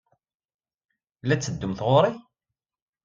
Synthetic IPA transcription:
læt͡sːəd̪ːʊmθʁoɾˤi

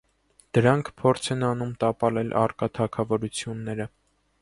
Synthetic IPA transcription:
d̪̥əɾɑŋkʰpʰɔɾt͡sʰɛnɑnumt̪ɑpɑlɛlʔɑ̰rkɑt̪ʰɑkʰɑvɔɾut͡sʰjunːɛɾə

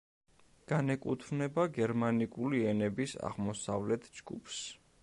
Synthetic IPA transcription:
ɡ̥anɛkʼut̪ʰvnɛbaɡɛɾmanikʼuliɛnɛbisa̰ʁmɔsavlɛt̪ʰd͡ʒɡ̥ṵpʰs

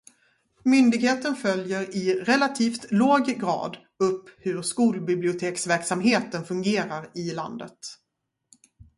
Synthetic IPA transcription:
mʏnd̪ɪɡheːt̪ənfœljəɾɪɾɛlat̪ʰiːft̪loːɡɡɾɑ̰ːd̪ | ɵpːhɵɾʂkuːlbɪblɪʊt̪ʰeːksvæɾksamɦeːt̪ənfɵŋɡeːɾaɾɪla̰nd̪ə̰t̪

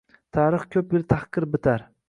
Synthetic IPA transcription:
t̪ʰaːɾɨχkʲʰɵp̚jɪlt̪ʰahqɨɾbɪt̪ʰaɾ

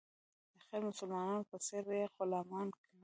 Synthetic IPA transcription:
d̪əxeɾmʊsʊlmɑnɑnopəseɾjexʊlɑmɑnkan

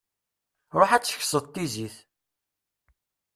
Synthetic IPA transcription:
ɾoħæt͡sːə̥çsəðˤt̪ːiziθ

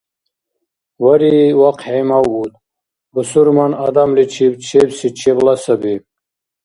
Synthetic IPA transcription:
waɾiwaqhejmawut̪ | bəsuɾmanad̪amlit͡ɕʰibt͡ɕʰebsit͡ɕʰeblasɐbi

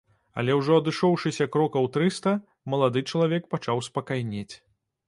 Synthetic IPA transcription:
ɐ̰lʲɛwʐɔɐd̪ɨʂɔwʂɨsʲɐkɾɔkɐwt̪ɾɨst̪ɐ | mɐlˠad̪ɨt͡ʂɐlˠavʲɛk̚pat͡ʂawspɐkajnʲet͡sʲ

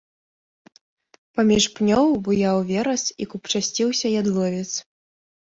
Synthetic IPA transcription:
pamʲiʂpnʲɔwbɨjawvʲɛɾɐsikupt͡ʂasʲt͡sʲiwsʲɐjad̪lˠɔvʲɛt̪s

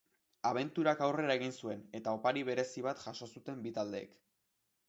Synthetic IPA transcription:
aβ̞e̞nt̪uɾakawre̞ɾae̞ɣ̞insue̞ne̞t̪ao̞paɾiβ̞e̞ɾe̞siβ̞at̪ʝaʃo̞sut̪e̞mbit̪ald̪e̞̰ːk

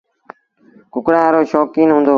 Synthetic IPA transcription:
kʊkɽãːɾoːʃɔːkiːnɦʊ̃ːnd̪oː

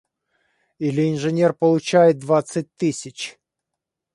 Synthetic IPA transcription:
ilʲɪɪnʐɨnʲerpəlˠʊt͡ɕæjɪt̪̚d̪vat̪sɨt̚ʲt̪ɨsʲɪt͡ɕ

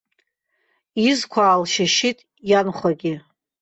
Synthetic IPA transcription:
izkʷʰaːlʃaʃitʼ | janχʷaɡʲɪ

